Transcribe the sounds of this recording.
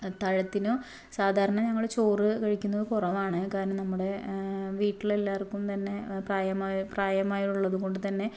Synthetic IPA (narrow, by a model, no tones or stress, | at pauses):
t̪ɐɻɐt̪ːino | saːd̪ʱaːɾɐɳɐɲɐŋːɐɭɽet͡ɕo̞ːrɨkɐɻikʲːunːɐðkurɐʋaːɳɨkaːɾɐnɐmnɐmːuɽe̞ʋiːʈːile̞lːaːrkːumt̪ɐnːe̞praːjɐmaːjpraːjɐmaːjiʈuɭːɐðuɣo̞ɳɖɨt̪ɐnːe̞